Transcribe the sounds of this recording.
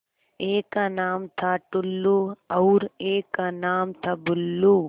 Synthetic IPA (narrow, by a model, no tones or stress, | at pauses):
eːkanaːmt̪ʰaʈulːuɐwɾeːkanaːmt̪ʰɐbulːu